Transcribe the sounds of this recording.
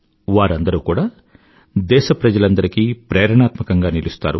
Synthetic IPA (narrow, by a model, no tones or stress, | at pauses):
ʋaːɾɐnd̪ɐɾukuːɽaː | d̪ɛːʃɐpɾɐd͡ʒɐlɐnd̪ɐɾikiːpɾɛːɾɐɳaːt̪mɐkɐŋɡaːnilust̪a̰ːɾu